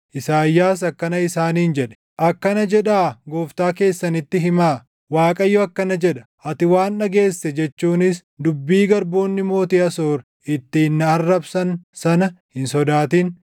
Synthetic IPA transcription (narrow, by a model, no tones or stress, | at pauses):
ʔɪsaːjːaːs̬ɐkːɐnɐɪsaːniːnd͡ʒɛᶑɛ̥ | ʔɐkːɐnɐd͡ʒɛᶑaːɡo̞ːft̪aːke̞ːsːɐnɪt̪ːɪɦɪmaː | waːkʼɐjːɔɐkːɐnɐd͡ʒɛᶑɐ̥ʔɐt̪ɪwaːnᶑɐɡe̞ːsːɛd͡ʒɛt͡ʃːuːnɪs | d̪ʊbːiːɡɐɾbo̞ːnːɪmo̞ːt̪iɐsoːɾ | ʔɪt̪ːɪhɪnːɐɐrːɐbsɐnsɐnɐhɪnsɔd̪aːt̪iːn